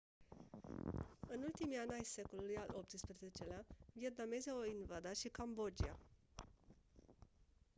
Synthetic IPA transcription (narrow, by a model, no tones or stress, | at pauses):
ɨnult̪imianʲajse̞ko̞lulujalop̚t̪ɨspɾeze̞t͡ʃe̞leaviet̪̚name̞zeoinvad̪aʃikambod͡ʒia